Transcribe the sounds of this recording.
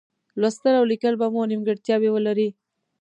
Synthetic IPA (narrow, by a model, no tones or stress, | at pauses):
lwast̪əlawlikəlbamonimɡəɽt̪jɑbewəlaɾi